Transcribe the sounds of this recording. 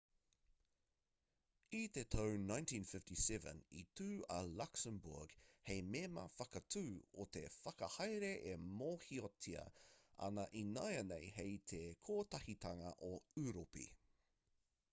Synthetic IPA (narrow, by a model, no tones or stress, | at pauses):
it̪et̪ʰownãjntʰĩːnfɪftisɛvə̰̃nitʰʉːɐlaksəmbṵɹɡ̥hejmemɐ̰fɐkɐtʰʉːot̪efɐkɐhɐjɾeʔemoːhiotʰiɐ̰ɐ̰nɐʔinajɐnejhejt̪ʰekʰoːt̪ɐhit̪ʰɐŋɐ̰ʔoʉɾopḭ